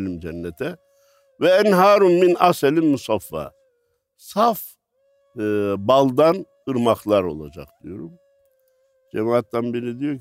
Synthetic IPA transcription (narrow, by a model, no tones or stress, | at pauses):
lʲimd͡ʒɛnːɛt̪ʰɛ | vɛɛnɦaːɾumːinaselʲimːusafːa̰ | saf | balˠd̪an | ɯɾmaxlˠaɾo̞̰lˠa̰d͡ʒa̰k̚d̪̥ijo̞ɾum | d͡ʒɛmaat̪ːanbiɾid̪ijo̞